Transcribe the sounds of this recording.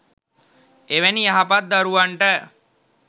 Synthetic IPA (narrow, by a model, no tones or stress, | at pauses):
eʋæniaɦapat̪̚d̪aɾuʋaɳʈə